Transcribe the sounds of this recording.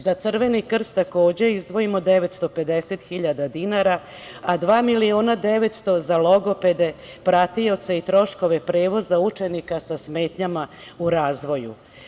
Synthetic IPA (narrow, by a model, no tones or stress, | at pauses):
zat̪sr̩ʋe̞nikr̩st̪ako̞ːd͡ʑe̞izd̪ʋo̞imo̞d̪e̞ʋet̪st̪o̞pe̞d̪e̞se̞t̪xiʎad̪ad̪inaɾa | ad̪ʋaːmilio̞ːnad̪e̞ʋe̞t̪st̪o̞zalo̞ɡo̞pe̞d̪e̞ | pɾat̪ijo̞t̪seit̪ɾo̞ʃko̞ʋe̞pɾe̞ːʋo̞zaut͡ʃe̞nikasasme̞ːt̪ɲamauɾaːzʋo̞jṵ